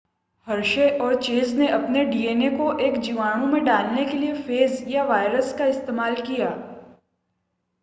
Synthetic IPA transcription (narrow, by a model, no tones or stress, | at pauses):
hɐɾʃeʔɔːɾt͡ʃeːzneʔɐpneɖiːeːnekoʔeːkd͡ʒiʋaːɽ̃õmẽɖaːlnekeliefeːzjaʋaːɪɾəskaɪst̪eːmaːlkijaː